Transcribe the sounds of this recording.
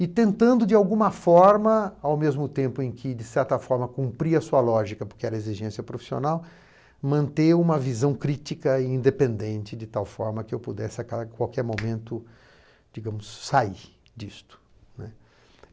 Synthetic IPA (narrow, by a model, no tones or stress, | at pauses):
ɪt̪ẽnt̪ɐ̃nd̪ʊd͡ʒɪawɡũmɐfɔɾmɐawmezmʊt̪ẽmpʊẽkʰɪd͡ʒɪsɛɾt̪ɐfɔɾmɐkũmpɾiɐsuɐlɔʒikɐpoɾkɪɛɾɐeziʒẽsiɐpɾofi̥sio̰naw | mɐ̃nt̪eũmɐvizɐ̃w̃kɾit͡ʃikɐiĩnd̪epẽnd̪ẽnt͡ʃɪd͡ʒɪt̪awfɔɾmɐkɪewpud̪ɛsɪakakwawkɛɾmomẽnt̪ʊ | d͡ʒiɡɐ̃mʊsːai | d͡ʒist̪ʊ̥nɛ